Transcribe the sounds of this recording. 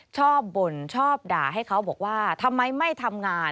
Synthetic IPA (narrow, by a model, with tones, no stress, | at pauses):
t͡ɕʰɔː˥˩p̚bo˨˩nt͡ɕʰɔː˥˩p̚da̰ː˨˩ɦa˥˩jkʰa˦˥wbɔː˨˩k̚waː˥˩t̪ʰa˧mːa˧jma˥˩jt̪ʰa˧mŋaː˧n